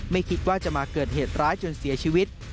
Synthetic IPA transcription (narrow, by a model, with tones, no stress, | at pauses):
ma˥˩jkʰi˦˥t̪̚waː˥˩t͡ɕa˨˩maː˧kɤː˨˩t̪̚heː˨˩t̪̚ɾaː˦˥jt͡ɕo˧nsi˨˩˦ɐt͡ɕʰiː˧wi˦˥t̪̚